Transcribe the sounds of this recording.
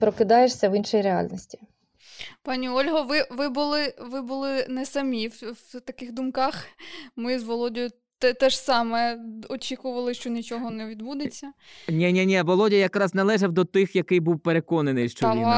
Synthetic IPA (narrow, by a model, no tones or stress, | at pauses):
pɾɔkɪd̪ɑjeʃsʲɐʋinʃɔjiɾeɑ̰lʲnɔsʲtʲi̥ | pɑnʲiɔlʲɦɔʋɪʋɪbʊlˠɪʋɪbʊlˠɪnɛsɐmʲiwwt̪ɐkɪxd̪ʊmkɑxmɪzʋɔlˠɔdʲɔjʊ | t̪ɛt̪ɛʃsɑmɛɔt͡ʃʲikʊʋɐlˠɪʃt͡ʃɔnʲit͡ʃɔɦɔnɛʋʲid̪bud̪et͡sʲːɐnʲɛnʲɛnʲɛʋɔlˠɔdʲijɐkɾɑznɐlˠɛʒɐwd̪ɔt̪ɪxjɐkɪjbuwpeɾekɔnenɪjʃt͡ʃɔ